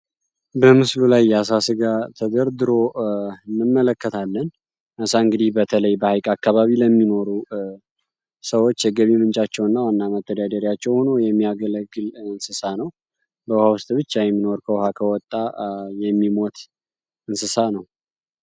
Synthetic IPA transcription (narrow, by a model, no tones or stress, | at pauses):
bəmɨslulajːɛasasɨɡat̪ʰəd̪əɾd̪ɨɾo̞ɨnːɨmːələkːət̪ʰalːən | ʔəsaɨŋɡɨd̪ihbət̪ʰələjbəhajkʼakːaβaβiləmːino̞ɾu | səwo̞t͡ʃːjɛɡəβimɨnt͡ʃʼat͡ʃːɛwɨnːawanːamət̪ːəd̪ad̪əɾjat͡ʃːɛwhono̞jɛmːiaɡələɡːɨlɨnsɨsanəw | bəwhawʊst̪ʼbɨt͡ʃːajɛmːino̞ɾkʰəwhakʰəwɔt̪ʼːajɛmːimo̞t̪ | ɨnsɨsanəw